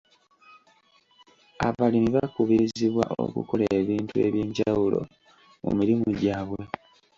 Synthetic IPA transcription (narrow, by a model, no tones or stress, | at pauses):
aβalimiβakuβiɾiziβwa̰ʔo̰kṵko̞leβiːntue̞̰βjeːɲɟawulo̞̰ | mṵmiɾimuɟaːβwe̞